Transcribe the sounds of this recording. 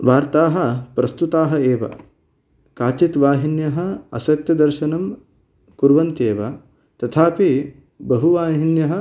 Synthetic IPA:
ʋaːɾt̪aːɦɐ̆pɾɐst̪ut̪aːɦɐeːʋɐ̰ | kaːt͡ʃit̪ʋaːɦinjɐɦɐ̆ɐ̰sɐt̪jɐd̪ɐɾʃɐnɐm | kuɾʋɐnt̪eːʋɐ | t̪ɐt̪ʰaːpi | bɐɦuʋaːɦinjɐɦɐ

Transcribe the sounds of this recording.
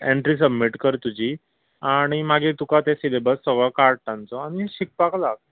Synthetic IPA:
eɳʈɾiːs̬əbmiʈkəɾt̪ud͡ʑi | aɽ̃imaɡit̪ukat̪esilebəsːəɡɭɔkaɾʈʈ̪ãnt͡sɔaɽ̃iɕik̚paklak̚

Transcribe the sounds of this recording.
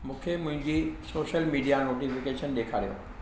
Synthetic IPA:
mũːkʰemʊ̃ɦɪ̃ɲd͡ʑisoːʃəlmiːɖijanoːʈifɪkeːʃənɗeːkʰaːɾijo̰ː

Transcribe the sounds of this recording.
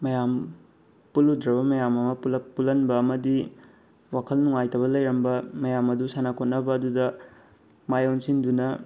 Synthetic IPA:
mɐjam | puludɾɐβɐmɐjamɐmɐpulɐpulɐnbɐːmɐdi | wakʰɐlnuŋajtʰɐβɐlɐjɾɐmbɐmɐjamɐdusanakʰot̚nɐbɐːdudɐ | majonsindunɐ

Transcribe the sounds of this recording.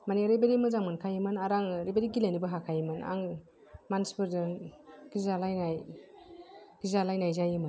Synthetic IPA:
maniɾebeɾimɯzaŋmankʰajimɯnaɾaŋɾebeɾiɡilanibɯɦakʰajmɯna̰ŋ | manspɯɾdɯɡ̥izalajnaj | ɡ̥izalajnajzajɯmɯn

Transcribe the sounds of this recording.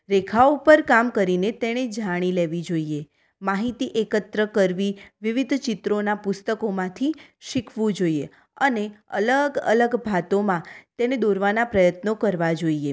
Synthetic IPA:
ɾekʰaoupəɾkamkəɾinet̪eɽ̃ed͡ʒaɽ̃ileʋid͡ʒoie | maɦit̪iʔekət̪ɾəkəɾʋiʋiʋid̪ʱt͡ʃɪt̪ɾonapʊst̪əkomãt̪ʰiʃikʰʋũd͡ʒoie | əneə̰ləɡə̰ləɡbʱat̪omãt̪ened̪oɾʋanapɾəjət̪nokəɾʋad͡ʒoie

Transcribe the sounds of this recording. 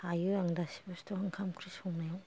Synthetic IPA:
ajuaŋdasi̥bastʰɔhaŋkʰamkʰɾisɔŋnajaw

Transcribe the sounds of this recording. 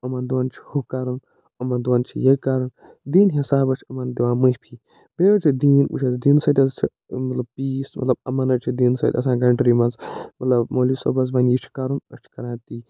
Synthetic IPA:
ɐmɐnd̪uant͡ʃʰi̥hukaːɾɐn | ɐmɐnd̪uwaːnt͡ʃʰḭjekaːɾɐn | d̪iːnɦisaːbɐt͡ʃʰʲɐmɐnd̪iʋãːmɨhʲpʰiː | beɐt͡ʃʰid̪iːnṵt͡ʃʰɐzd̪iːnsɐt̪ʲɐzt͡ʃʰi | mɐt̪lɐb̚piːsmɐ̰t̪lɐb̚ɐ̰mɐnɐt͡ʃʰid̪iːnsɐ̰t̪ʲɐ̰sãːɡɐɳʈɾimɐnzmɐt̪lɐbmoːlisobɐzʋɐnjit͡ʃʰi̥kaːɾunɐ̰t͡ʃʰi̥kɐɾãːt̪iː

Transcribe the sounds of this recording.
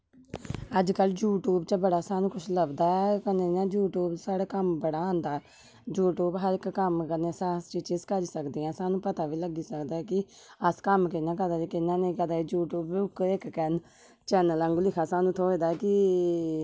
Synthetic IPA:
əd͡ʒkəld͡ʒuːʈuːbt͡ʃəbəɽaːsaːnũːkʰʊʃʰləɡd̪aːɛkəneːnãːd͡ʒuːʈuːbsaːɽaːkəmbəɽaːãːnd̪aː | d͡ʒuːʈuːbɦəɾɪkːəmkəneːsaːst͡ʃɪt͡ʃɪzkəɾiːsəkd̪eːɛ̃ːsaːnũːpət̪aːʋiːləɡiːsəkd̪aːɛkɪ | əskəmkɪnãːk̬əɾd̪aːt͡ʃekɪnãːnẽĩkəɾd̪aːid͡ʒuːʈuːbʊkɪkkɛn | t͡ʃɛːnələŋɡlɪkʰaːsaːnũːt̪ʰoːeːd̪aːkɪ

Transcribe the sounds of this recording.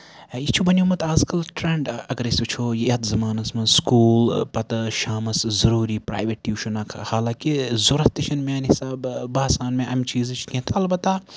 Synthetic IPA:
it͡ʃʰubɐnʲjumɐt̪aːzkɐlʈɾeɳɖɐɡɐɾisʲt͡ʃʰoːjiɐt̪zɐmaːnɐsmɐskuːlpɐt̪ɐʃaːmɐszɐɾuːɾiːpɾa̰ːjʋeʈjuːʃʰunɐkʰhaːlaːkizuɾɐt̪iʃʰɐnmʲaːnhisaːbbaːsaːnmẽʔɐmt͡ʃiːzɨt͡ʃʰkẽt̪ʰɐlbɐt̪ːa

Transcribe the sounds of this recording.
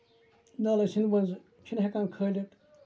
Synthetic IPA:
naːlɐsinbɐnz | t͡ʃʰinɦekãːnkʰəːlʲɐʈ

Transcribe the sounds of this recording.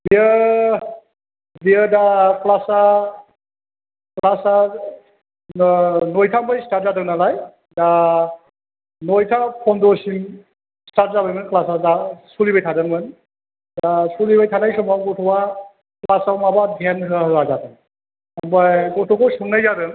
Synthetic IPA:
biə | bijədaklasa | klasa | nɔjtʰambajstat̚zadɯŋnalaj | da | nɔjtʰapʰɔndɔsim | stat̚zabajmɯnklasazasulibajtʰadɯnmɯn | dasulibajtʰanajsɔmawɡɔtʰɔwa | klasamabadʱanɦɯaɦazatɯn | ambajɡɔtʰɔkʰɔsuŋnajzadɯn

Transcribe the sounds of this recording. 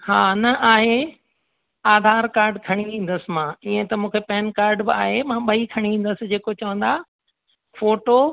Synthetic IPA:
haːnɐʔaːɦe | aːd̪ʱaːɾkaːɾɖkʰɐɽ̃iʋĩːn̆d̪əsɪ̆mãːiẽt̪ɐmũːkʰepɛːɪnkaːɾɖbɪaːɦemãːɓɐikʰɐɽ̃iʋĩːn̆d̪əsɪ̆d͡ʑeːkot͡ɕɐʋə̃n̆d̪a | foːʈo

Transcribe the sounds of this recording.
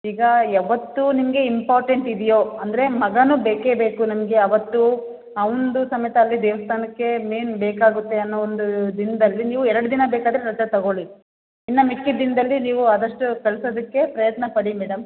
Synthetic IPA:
iːɡɐɐʋɐt̪ːunimɐɡe̞impaːɾʈeɳʈid̪ɛjo̞ːɐnd̪ɐɾe̞mɐɡɐnubeːkeːbeːkunɐmɐɡe̞ɐʋɐt̪ːu | ɐʋond̪usɐmɐjɐt̪ɐːlːid̪ɛːʋɐst̪ʰaːnɐkːe̞meːnbɛːkaːɡut̪ːe̞ɐnːoond̪ud̪ind̪ɐlːiniːʋuɛɾɐɽud̪inɐbɛːkaːd̪ɐɾeɾɐd͡ʒ̪ɐt̪ɐɡo̞ɭi | inːɐmikːid̪ind̪ɐlːiniːʋuad̪ɐʂʈukɐɭsod̪ɐkːe̞pɾɐjɐt̪nɐpɐɽimɛːɽɐm

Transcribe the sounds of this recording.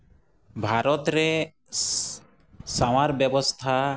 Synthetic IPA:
bʱaɾɔt̪ɾe | saw̃aɾbjebɔst̪ʰa

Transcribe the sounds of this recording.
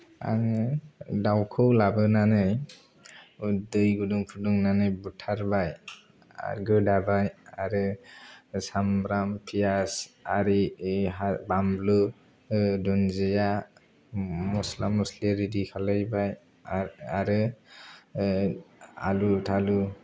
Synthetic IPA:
a̰ŋ | dawkʰɯwlabɯnanɯj | udɯjɡuduŋpʰuduŋnanɯjbutʰaɾbaj | a̰ɾɡɯdabajaɾɯ | samɾampʰijasaɾiabamblɯ | dɔnzɯja | mɔslamːusliɾidikʰalɯjbaj | aɾɯ | a̰lutʰalu

